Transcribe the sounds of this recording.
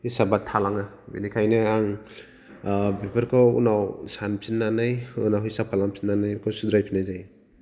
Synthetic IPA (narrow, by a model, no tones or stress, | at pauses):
isabatʰalaŋa | bḭlikʰajneaŋ | bepʰaɾkʰɔṵnawsanpʰinːanɯjunawhisap̚kʰalaŋpʰi̥nːanajkʰɔwsud̪ɾajpʰinajzaj